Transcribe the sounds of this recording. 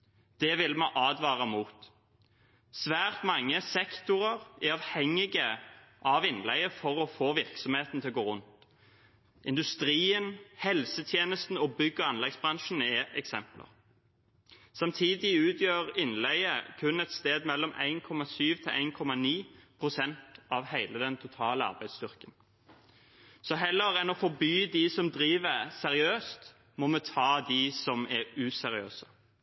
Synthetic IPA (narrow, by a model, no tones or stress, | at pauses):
d̪̥ɛʋɪlmɑʔɑːd̪ʋɑːʁəmuːt̪ | sʋæːʁt̪mɑŋːəsɛkt̪ʊʁəʁɪɑːʋhɛŋːɪɡə | ʔɑːʋɪnːlɛ̰ɪəfɔʁɔfoːʋɪʁksɔmheːt̪n̩t̪ʰɪlɡoːʁʉnt̪ | ɪ̰nd̪ʉst̪ɾiːənhɛlsət̪ʰjeːnəst̪n̩ɔbʏɡːəɑnlɛɡsbʁɑŋʃn̩ɛɛksɛmplə̰ʁ | sɑmt̪ʰiːd̪ɪʉːt̪ʰjøːʁɪnlɛɪəkʰʉnɛt̪st̪eːd̪mɛlːɔmʔæ̰ɪnkʰɔmːɑsyːʋt̪ʰɪʔæ̰ɪnkʰɔmɑniːpʰʁʊsɛnt̪ɑʋhæɪləd̪ɛnt̪ʰʊt̪ʰɑːləɑ̰ʁbæɪd̪st̪ʏʁkən | sɔɦɛlːəɾɛnɔfɔbyːd̪ɪsɔmd̪ɾiːʋəsɛʁɪøːst̪ | mɔmɛt̪ʰɑːd̪ɪsɔmɛʉːsɛɾɪø̰ːsə